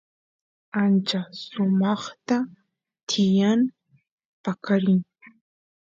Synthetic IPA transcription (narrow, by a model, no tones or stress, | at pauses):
ant͡ʃasʊmɑχt̪a | t̪ʰɪjan | pakaɾɪŋ